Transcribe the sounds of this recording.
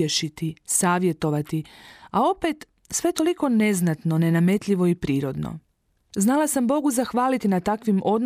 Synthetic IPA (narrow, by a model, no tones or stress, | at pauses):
eʃit̪isaːʋje̞t̪o̞ʋat̪iao̞pe̞t̪ | sʋe̞t̪o̞liko̞ne̞znat̪no̞ne̞name̞t̪ʎʲiʋo̞ipɾiːɾo̞d̪no̰ | znalˠasambo̞ɡuzaxʋaːlit̪inat̪akʋimʔo̞d̪n